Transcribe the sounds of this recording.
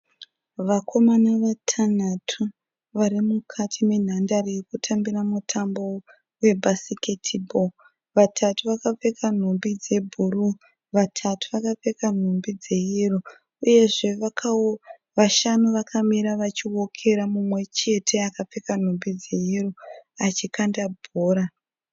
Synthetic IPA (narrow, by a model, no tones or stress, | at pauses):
ʋakʰo̞manaʋatʰan̤atʰu | ʋaɾimukʰatʰime̞n̤andarejekutʰambiramutʰambo̞ | we̞bʱasiketʰibʱo | ʋatʰatuʋakap͡fe̞kan̤ombid͡ze̞bʱuru | ʋatʰatʰuʋakap͡fe̞kan̤ombid͡ze̞iro | uje̞ʐe̞ʋaka | ʋaʃanuʋakʰamiɾaʋat͡ʃiwokʰe̞ɾamumwe̞t͡ʃe̞tʰe̞akap͡fekan̤ombid͡ze̞iroat͡ʃikandabʱoːɾa